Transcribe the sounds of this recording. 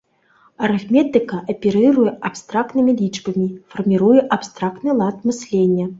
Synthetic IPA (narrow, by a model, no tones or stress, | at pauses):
ɐɾɨxmʲɛt̪ɨkɐʔɐpʲiɾɨɾujɛʔapst̪ɾak̚t̪nɨmʲilʲit͡ʂbɐmʲifɐrmʲiɾujɛʔapst̪ɾak̚t̪nɨlˠat̪mɨsʲlʲenʲːɐ